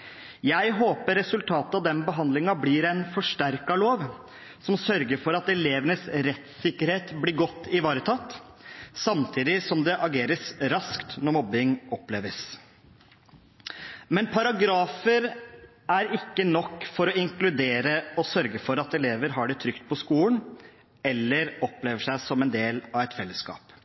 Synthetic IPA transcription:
jæɪɦoːpəɾːɛsʉlt̪ʰɑːt̪əɑʋd̪ɛnbəɦɑnd̪lɪŋɑbliɾɛnfɔʂʈæɾkɑloːʋ | sɔmsœɾɡəɾfɔɾɑt̪ɛleːʋənəsɾɛt̪sɪkːəɾheːt̪blɪɾɡɔt̪ːɪʋɑːɾət̪ʰɑt̪ː | sɑmt̪ʰiːd̪ɪsɔmd̪ɛʔɑɡeːɾəsɾɑskt̪nɔɾmɔbːɪŋɔpleːʋəs | mɛnpʰɑɾɑɡɾɑːfəɾ | æɾɪkːənɔkːfɔɾɔɪŋklʉd̪eːɾəɔsœɾɡəfɔɾɑt̪ɛleːʋəɾɦɑɖɛt̪ʰɾʏkt̪̚pʰɔskuːlən | ɛlːəɾɔpleːʋəʂæɪsɔmɛnd̪eːlɑʋɛt̪fɛlːəskɑ̰ːp

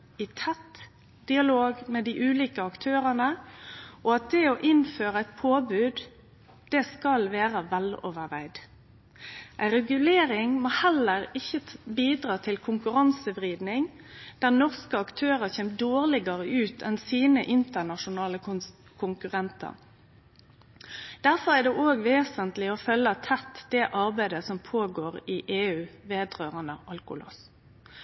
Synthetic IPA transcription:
ɪt̪ʰɛt̪ | d̪ɪɑloːɡmɛd̪iʔʉːliːkəɑkt̪ʰøːʁənə | ʔɔɑt̪̚d̪ɛɔʔɪnføːʁəæɪt̪̚pʰoːbʉːd̪ | d̪̥ɛːskɑlʋeːʁəʋɛlɔ̰ːʋəɾʋæɪd̪ | ʔæɪʁɛɡʉleːʁɪŋmoːhɛlːəʁɪçːəbiːd̪ʁɑːt̪ʰɪlkʰʊŋkʉɾɑnsəbʁiːd̪nɪŋ | d̪̥æʁnɔʁskəɑkt̪ʰøːʁəçeːmd̪oːʁlɪɡəʁəʔʉːt̪ʰɛnsiːnəʔɪnt̪ənɑʃʊnɑːlə | kʰʊŋkʉʁɛnt̪ʰɑ̰ʁ | d̪̥æʁfɔʁæd̪ɛʔoːɡʋeːsənt̪lɪɔfœlːət̪ʰɛt̪d̪̥ɛʔɑʁbæɪd̪əsɔmpʰoːɡoːʁiʔeːʉːʋeːd̪ʁøːʁənəʔɑlkʊ̰lɔ̰s

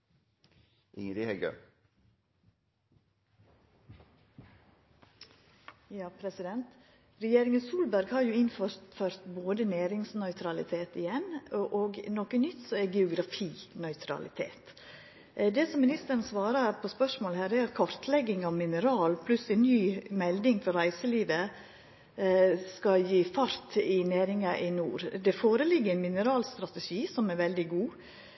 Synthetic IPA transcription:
ʔɪ̰ŋəd̪ɪhɛɡø̰ | jɑːpʰɾɛsɪd̪ɛnt̪ | ɾɛjeːɾɪŋənsuːlbæɾɡhɑɾjʊɪnfɔɾt̪fœɾt̪boːd̪əneːɾɪŋsnœʏt̪ʰɾɑlɪ̰t̪ʰeːt̪ɪjɛnʔoːɡnɔkənʏt̪ːsɔɛɡɛʊɡɾɑfiːnœʏt̪ʰɾɑ̰lɪ̰t̪ʰḛːt̪ | d̪ɛsɔmɪnɪst̪əɾən̩sʋɑːɾɑɾpʰɔspœʂmoːləhæːɾɛɾɑt̪kʰɔɾt̪lɛɡɪŋɑʋmɪnəɾɑːlpʰlʉslɪnyːmɛld̪ɪŋfɔɾæɪsəliːʋə | skɑljiːfɑɾt̪ɪnæːɾɪŋɑʔɪnuːɾd̪ɛfoːɾəlɪɡːəɾɛnmɪnəɾɑːlst̪ɾɑt̪ɛʂiːsɔmɛɾʋɛld̪ɪɡuː

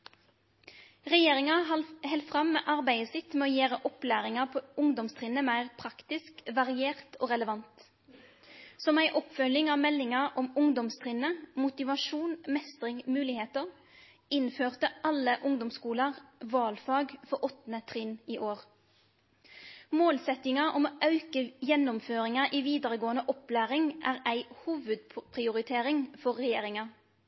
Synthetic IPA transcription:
ʁɛjeːʁɪŋɑɑhɛlfʁɑmːeːʔɑʁbæɪəsɪt̪mɛːoːjeːʁəʔɔplæːʁɪŋɑpʰoːʊŋd̪ɔmst̪ʰʁɪnəmæɪʁpʰʁɑkt̪ɪskʋɑʁɪeːʁt̪ʰoːʁɛləʋɑnt̪ | sɔmæɪʔɔpfœlɪŋɑːʋmɛlːɪŋɑʁɔmʊŋd̪ɔmst̪ʰʁɪnəmʊt̪ɪʋɑʃuːnmɛst̪ʁɪŋmʉːlɪheːt̪əʁ | ɪnføːʁt̪əʔɑləʔʊŋd̪ɔmskuːləʁʋɑːlfɑːɡfɔʔɔt̪nət̪ʰʁɪniːʔoːʁ | moːlsɛt̪ɪŋɑʔɔmoːʔɑʉkəjɛnːʊmføːʁɪŋɑʔiːʋiːd̪əʁəɡoːənəʔɔplæːʁɪŋʔæːʁæɪhuːʋʉd̪̚pʰʁɪʊʁɪt̪ʰeːɾɪŋfɔʁːɛjeːʁɪŋɑ

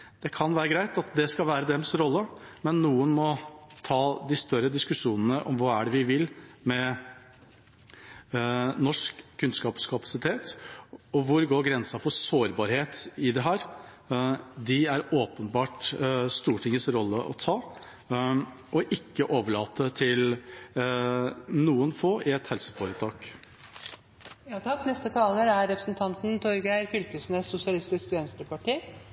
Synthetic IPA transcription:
d̪̥ɛkʰɑnʋæːɾəɡɾæɪt̪ɑt̪d̪ɛskɑlʋæːɾəd̪ɛmsɾɔlːəmɛnːuːənmɔt̪ʰɑːd̪ɪst̪œɾəd̪ɪskʉʂuːnənəʔɔmʋɑæɖɛʋɪʋɪlmɛ | nɔʂkʰːʉnskɑpskʰɑpɑ̥sɪt̪ʰeːt̪ɔʋʊɾɡoːɾɡɾɛnsɑfɔsoːɾbɑːɾheːt̪ɪd̪ɛɦæːɾ | d̪ɪæɾoːpənbɑːʈst̪uːʈʰɪŋəsɾɔlːəʔɔ̰t̪ʰɑː | ʔɔʔɪkːəʔoːʋəɭɑːt̪ət̪ʰɪl | nuːənfoːʔɪɛt̪hɛlsə̥fɔɾət̪ʰɑːk | t̪ʰɑknɛst̪ət̪ʰɑːləɾæɾɾɛpɾə̥sn̩t̪ʰɑnt̪n̩t̪ʰɔɾɡæɪfʏlk̪əsnesʊsɪɑlɪst̪ɪskʋɛnst̪əpʰɑʈiː

